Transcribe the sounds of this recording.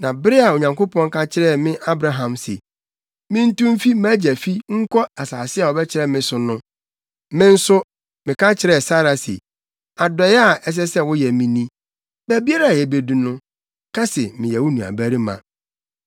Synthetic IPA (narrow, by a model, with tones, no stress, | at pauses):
nã˨bɪ˦ɾɪ˦a˨o˨ɲã˨ŋko˦pʰɔ̃˦ŋ̩˦kʰa˦t͡ɕʰɪ˦ɾɛ˦˨mɪ̃˦ʔa˦bɾa˦ɦã˨msḛ˨ | mɪ̃˦n̩˦tũ˦m̩˦fi˦mæ˦d͡ʑæ˨fi˦ŋ̩˦kʰɔ˦a˨saː˨sɪ˦a˨ɔ˨bɛ˦t͡ɕʰɪ˨ɾɛ˦mɪ̃˦sʊ˨nʊ̃˦ | mɪ̃˦n̩˦sʊ˦ | mɪ̃˨ka˦t͡ɕʰɪ˨ɾɛ˨sa˦ɾa˨sḭ˨ | a˨dɛ˨jɛ˦a˨ɛ˦s̬ɛ˦sɛ˦wʊ˦jɛ˨mĩ˦nĩ˦ | bæ˦bi˦a˦ɾa˦˨jɛ˨be˨du˨nʊ̃˦ | kʰa˦sɪ˨mɪ̃˨jɛ˨wʊ˦nũ˨a̰˨bæ˦ɾi˦mã̰˨